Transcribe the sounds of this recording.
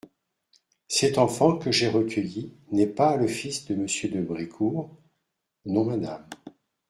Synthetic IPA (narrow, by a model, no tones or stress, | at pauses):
sɛt̪ɑ̃fɑ̃kəʒeʁəkʲʰəji | nɛpaləfisd̪əməsjød̪əbʁikʰuʁ | nɔ̃mad̪am